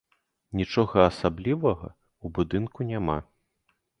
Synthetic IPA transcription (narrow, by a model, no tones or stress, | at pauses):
nʲit͡ʂɔɣɐːsablʲivɐɣɐ̰ | ubud̪ɨnkunʲama